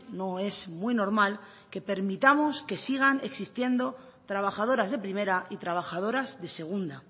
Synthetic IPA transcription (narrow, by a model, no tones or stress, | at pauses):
no̞e̞zmwino̞ɾmal | ke̞pe̞ɾmit̪amo̞ske̞siɣ̞ane̞ksist̪je̞nd̪o̞ | t̪ɾaβaxað̞o̞ɾazðe̞pɾime̞ɾaʔit̪ɾaβ̞axaðo̞ɾazðe̞se̞ɣ̞und̪a